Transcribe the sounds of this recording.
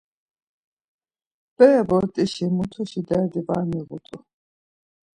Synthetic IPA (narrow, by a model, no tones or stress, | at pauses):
b̥ɛjɛbɔɾt̪ʼiʃimut̪ʰuʃid̪ɛd̪ibaːmiɣut̪ʼu